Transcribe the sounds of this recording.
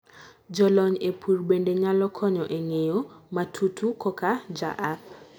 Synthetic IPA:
d͡ʒɔlɔɲepʰurbendeɲalɔkʰɔɲɔʔeŋejomatʰutʰukɔkad͡ʒa̰ʔak̚

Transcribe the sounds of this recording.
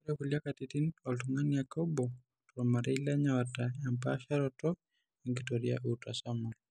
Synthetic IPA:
uɾekuliakatitinɔltuŋanjakɔbɔ | tɔɾmaɾɛilaɲawatajampaʃaɾɔtɔ | iŋɡitɔɾia̰ʔutasamɔl

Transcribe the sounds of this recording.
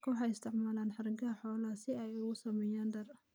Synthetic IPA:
kʰʊħɑjɪst̪ʰɪʕmaːlaːnħɑrɡɐħɔːlɐsɪɛjʊɣʊsɐmɛjaːnd̪ɐrɐ

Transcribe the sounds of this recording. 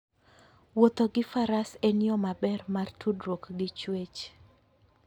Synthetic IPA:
wot̪oɡɪfaɾasenɪɔmabɛrmartʰudɾokɡɪt͡ʃwet͡ʃ

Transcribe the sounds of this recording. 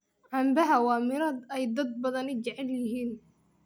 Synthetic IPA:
ʕɐmbɐɦɐwɑːmɪɾɐd̪ɛjd̪ɐd̪̚bɐðɐnɪt͡ʃɐʕɛljɪɦiːn

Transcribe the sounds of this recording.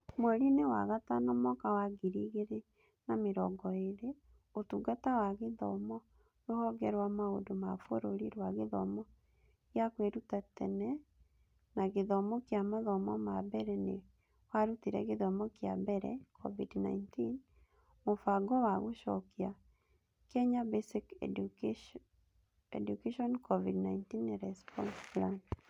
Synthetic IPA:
mwɛɾinewa̰ɣatanɔmɔkawaɡiɾiɣeɾe | nameɾɔɡɔeɾe | otuɡatawaɣeðɔmɔ | ɾohɔɡɛɾwamaodomafoɾoɾiɾwaɣeðɔ̰mɔ | ɣjakweɾutatɛnɛ | naɡɪðɔmɔkjamaðɔmɔmabɛɾɛne | waɾut̪iɾɛ̰ɡɪðɔmɔkja̰bɛɾɛ̰kʰɔ̰vidna̰intin | mofaɡɔwaɡoʃɔkia | kɛɲabesik | ɛ̰dukeʃɔnkʰɔvidnaintinːɾɛspɔ̰nsplant

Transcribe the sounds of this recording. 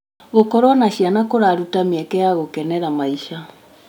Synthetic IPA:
ɣokɔɾwanaʃianakoɾaɾutamiɛkɛjaɣokɛnɛɾamaiʃa

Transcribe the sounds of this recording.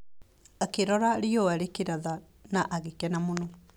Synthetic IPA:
akeɾɔɾaɾiɔaɾekeɾaða | naʔaɣekɛnamonɔ

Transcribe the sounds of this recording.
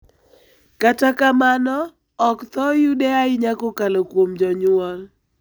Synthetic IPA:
katakamanɔː | kt̪ɔjudɛaɪɲakɔkalokwomd͡ʒɔɲʊɔl

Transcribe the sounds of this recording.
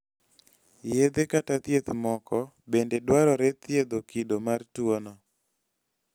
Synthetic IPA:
jed̪ekatat̪jet̪mɔkɔ | bendedwaɾɔɾɛt̪jed̪okidomartwonɔ

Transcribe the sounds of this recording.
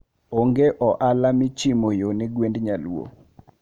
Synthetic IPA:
oŋɡeʔɔʔalamɪt͡ʃimojoneɡwendɲalwo̰

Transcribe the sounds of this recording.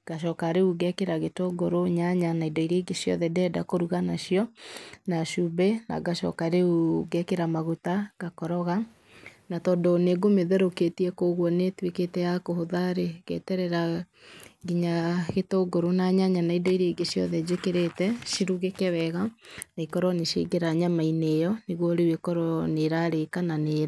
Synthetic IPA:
ɡ̥aʃ̬ɔkaɾeuɣɛkeɾaɣetoɡoɾoɲaɲanaidɔiɾeiɡeʃjɔ̰ðɛdɛːdakoɾuɣanaʃjɔnaʃubɛna̰ɡaʃɔ̰kaɾeuɡɛkeɾamaɣutaɡakɔɾɔɣa | natɔndɔneɡomeðɛɾoketiɛkoɣwɔnetweketɛjakohoðaɾeɣɛ̰ːtɛɾɛɾa | ɡiɲaɣetoɡoɾonaɲaɲanaidɔiɾeiɡeʃjɔ̰ðɛd͡ʑekeɾetɛʃiɾuɣekɛwɛɣanaikɔɾɔneʃḛɡeɾaɲamainejɔneɣwɔɾewekɔɾɔneɾaɾekananeːɾ

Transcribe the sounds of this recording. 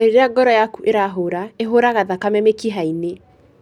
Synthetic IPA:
eɾeɾeaɡɔɾɔjakuʔeɾaɦoːɾaeɦoɾaɣaðakamɛmekiɦaine

